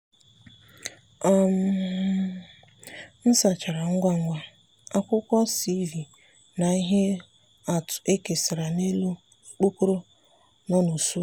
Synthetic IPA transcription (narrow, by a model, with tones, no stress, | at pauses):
a˨m̩˨˦ | n̩˦sa˨t͡ʃa˨ɾa˨ŋ̩˦ɡʷa˦ŋ̩˦ɡʷa˦ | a˦kʷʊ˦kʷɔ˦si˦vi˨ | na˨i˦ɦe˦ | a˨tʊ̥˨e˦ke˨sɪ˨ɾa˨ne˦lu˦ | k͡po˦ko˦ɾo˦ | nɔ˦nu˨su˦